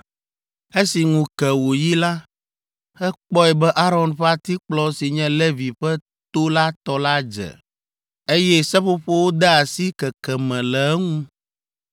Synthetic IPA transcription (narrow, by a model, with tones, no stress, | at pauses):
e˦si˨ŋũ˨kɛ˨wo˨ji˦la˦ | hɛ˦k͡pɔ˦ɛ˨bɛ˦ʔa˦ɾɔ˨nɸɛ˦a˦t̪i˦k͡plɔ˦si˨ɲɛ̃˦le˦vi˨ɸɛ˦ | t̪o˦la˦t̪ɔ˦la˦d͡ʒɛ̰˨ | e˦jɛ˦sɛ˦ɸo˦ɸe˦wo˦d̪ɛ˦a˨si˦kɛ˨kɛ˨mɛ̃˨lɛ˨˦ŋũ˦